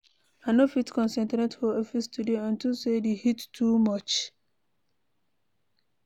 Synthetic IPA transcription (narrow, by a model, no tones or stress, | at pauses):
anofitkɔ̃nsɛ̃ntɾɛ̃tholɔfistʰudeãntusedehitːumɔt͡ʃ